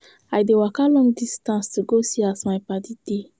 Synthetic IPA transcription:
ajdewakalɔ̃ŋdistãnstuɡosiasmajpadide

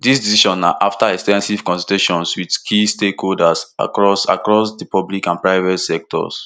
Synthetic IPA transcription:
disdisiʃɔ̃nːaʔaftaɛkstɛ̃nsiv̥kɔ̃nsɔteʃɔ̃nswidkʰistekholdasa̰kɹɔsa̰kɹɔsdipɔblikãnpɹaɪvɛtsɛk̚tʰɔ̰s

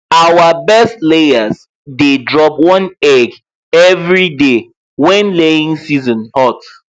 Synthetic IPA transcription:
awabɛstleaz | dedɹɔpwɔ̃nɛɡ | ɛvɹide | wɛ̃nleĩŋsizɔ̃nhɔt

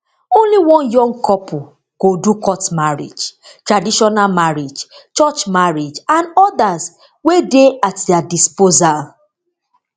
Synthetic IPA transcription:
õnliwɔ̃njɔ̃ŋɡkɔpʰu | kodukɔtmaɹḭd͡ʒtɹadiʃɔnalmaɹid͡ʒt͡ʃɔt͡ʃmaɹid͡ʒãnɔdaz | wedeatdɛadispozal

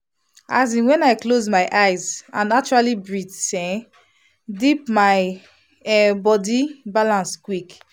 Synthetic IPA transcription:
azĩnwɛ̃naɪklozmaɪʔaɪzã̰nnat͡ʃuɹalibɹidsɛ̃ | dipmaɪ | ɛbɔdibalãnskwik

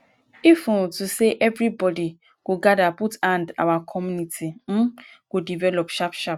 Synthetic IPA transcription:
ifũtuseʔɛvɾibɔdi | ɡ̥oɡadaputãnda̰wakʰɔmjunitʰin̩ | ɡ̥odivɛlɔpʃapʃap̚

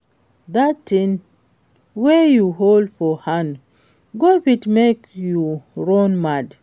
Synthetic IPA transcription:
datːĩn | wɛjuɦoldfɔhãn | ɡopitmekjuɹɔ̃nmad

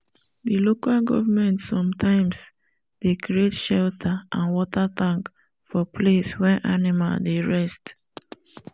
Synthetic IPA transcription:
dilokalɡɔ̰vamɛ̃ntsɔ̃mtʰãɪ̃ms | d̥ekɾietʃɛltʰaãnwɔtatãŋk | fɔpʰleswɛʔanɪma̰ldeɹɛst

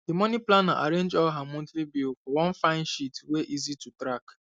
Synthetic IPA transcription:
d̥imɔniplanaʔa̰ɾẽnd͡ʒɔlɦamɔ̃ntɾibilfɔwɔ̃nfãɪ̃nʃitweʔizitutɾak

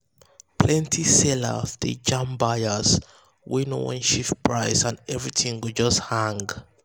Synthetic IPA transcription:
pʰlɛ̃ntʰisɛlə̰sd̪ḛd͡ʒãmbajəs | wenowɔ̰̃nʃifpʰɹaɪsãnɛvɹitʰĩŋɡod͡ʒʌsthãŋɡ

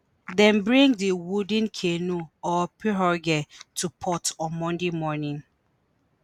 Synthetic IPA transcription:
dɛ̃nbɹĩŋdiwudə̃nkʰenuɔpiɹɔɡɛtʰupʰɔtɔ̃nmɔ̃ndemɔnĩŋ

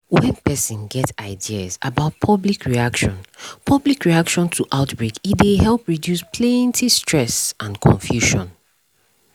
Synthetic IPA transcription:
wɛ̃npʰɛsĩnɡɛtaɪdiəza̰baʊt̚pʰʌblikʰɹiakʃɔ̃npʰʌblikɹiakʃɔ̃ntʰuʔaʊtbɹekitdeɦɛlˠpɹidjuspʰlẽntʰistʰɹ̥ɛsʔãnkʰɔ̰̃ɱfjuʃɔ̃n

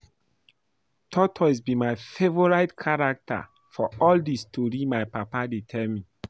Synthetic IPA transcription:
tʰɔtʰɔs̬bimajfevɔɹaɪtkʰaɹak̚tʰa̰ | fɔɔldistʰoɹimajpapadetʰɛlmi

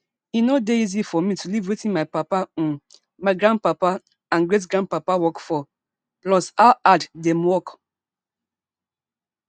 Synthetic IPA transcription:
inodeizifɔmitʰulivwetĩnmaɪpapã | maɪɡɹãnd̚papa | ãnɡɹetɡɹãnd̚papawɔkfɔ | plɔsaʊaddɛmwɔk

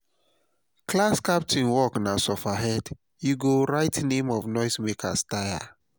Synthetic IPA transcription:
klaskap̚tĩnwɔknasɔfaɦɛd | juɡoɹaɪtnẽmɔvnɔɪsmekʰa̰staja̰

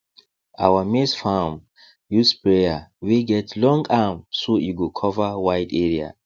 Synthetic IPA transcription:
awamisfam | juspɹejaweɡɛtlɔ̃ŋɡamsojuɡokʰɔvawaɪdɛɹia̰

